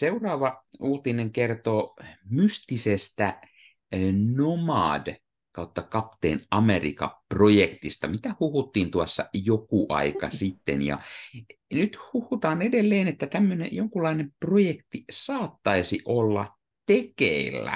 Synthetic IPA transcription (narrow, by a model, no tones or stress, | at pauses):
seurɑːʋɑuːt̪ineŋkert̪oːmyst̪isest̪æ | nomɑ̰ːd | kɑut̪ːɑkɑpt̪ḛːnɑmerḭkɑ̰projekt̪ist̪ɑmit̪æhuhut̪ːiːnt̪uɑsːɑjokuʔɑ̰ikɑ̰sit̪ːḛnjɑ̰ | nyt̪huhut̪ɑːnedelːeːnet̪ːæt̪æmːønḛjoŋkulːˑɑinemprojekt̪isɑːt̪ːɑisiʔolːɑ̰ | t̪ekeilːæ̰